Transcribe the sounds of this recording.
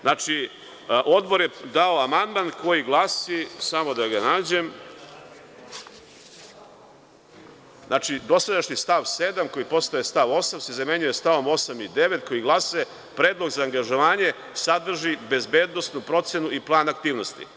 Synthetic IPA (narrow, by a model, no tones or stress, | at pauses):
nʔat͡ʃi | ʔo̞d̪bo̞ɾjed̪aoamand̪manko̞jiɡlˠasisamo̞d̪aɡanaːd͡ʑe̞m | znʔaːt͡ʃid̪o̞sad̪aʃɲist̪aʋse̞d̪amko̞jipo̞st̪aest̪aʋo̞samsezame̞ɲujest̪aʋo̞mo̞samid̪e̞ʋe̞t̪ko̞jiɡlˠase | pɾe̞ːd̪lˠo̞ɡzaːŋɡaʒo̞ʋaːɲe̞ | sad̪r̩ʒibe̞zbe̞ːd̪no̞snupɾo̞t̪senuiplˠaːnakt̪iːʋno̞st̪ḭ